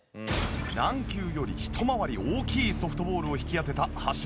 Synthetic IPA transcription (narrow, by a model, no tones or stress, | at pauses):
nãŋkʲɨːjo̞ɾʲḭçi̥t̪ʰo̞maβaɾʲioːkʲiːsoɸɯ̟̥t̪o̞bo̞ːɾɯ̟o̞çi̥kʲijat̪e̞t̪ahaɕ